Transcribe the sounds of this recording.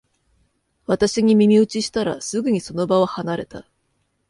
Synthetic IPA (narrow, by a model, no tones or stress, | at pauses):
βat̪aɕiɲ̟imʲimʲiɯ̟t͡ɕiɕi̥t̪aɾa̰sɨɡɯ̟ɲ̟iso̞no̞baβahanaɾe̞t̪a